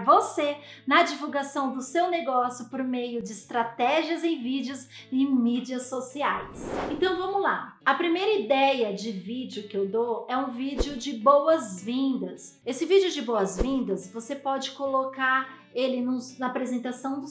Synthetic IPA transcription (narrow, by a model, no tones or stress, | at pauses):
vosenɐd͡ʒivuwɡasɐ̃w̃d̪ʊsewneɡɔsjʊpoɾmejʊd͡ʒɪːst̪ɾat̪ɛʒiɐzẽj̃vid͡ʒɪʊz | ɪ̃mid͡ʒiɐsːosiajsẽt̪ɐ̃w̃vɐ̃mʊla̰ɐpɾimejɾɐid̪ɛjɐd͡ʒɪvid͡ʒɪʊkɪewd̪oɛũvid͡ʒiʊd͡ʒɪbowɐzvĩnd̪ɐsesɪvid͡ʒɪʊd͡ʒɪbowɐzvĩnd̪ɐsvosepɔd͡ʒɪkolokaɾ | elɪnʊsnɐpɾezẽnt̪asɐ̃w̃d̪ʊs